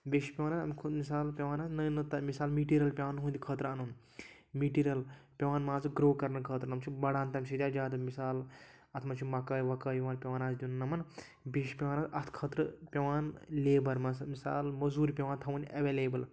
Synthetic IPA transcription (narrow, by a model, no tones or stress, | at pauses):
bʲeʃi̥pʲɐʋaːnaːɐmkʰumisaːlpʲɐʋaːnaːznəjnɨt̪ɐmisaːlmiːʈiɾʲɐlpʲɐʋaːnɦũːnd̪ʲikʰəːt̪ɾɐnun | miːʈiːɾʲijɐlpʲɐʋaːnmãːzɨɡɾoːkɐɾnɐkʰəːt̪ɾɨnɐmt͡ʃʰibɐɽaːnt̪ɐmʲsid͡ʒʲaːd͡ʒaːd̪ɐmisaːl | ɐt̪ʰmɐt͡ʃʰumɐkaːjʋɐkaːjiʋaːnpʲɐʋaːnaːsd̪innɐmɐn | beʃi̥pʲɐʋaːnaːɐt̪ʰkʰət̪ɾɨpʲeʋaːnleːbɐɾmɐsmisa̰ːlmɐzuːɾipʲɐʋaːnt̪ʰɐwunɐʋeːleːbɐl